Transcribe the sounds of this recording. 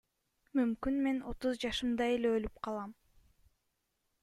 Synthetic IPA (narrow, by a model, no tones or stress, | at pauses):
mymkynme̞no̞t̪uzd͡ʒɑʃɯmd̪ɑe̞leølypqʰɑlˠɑm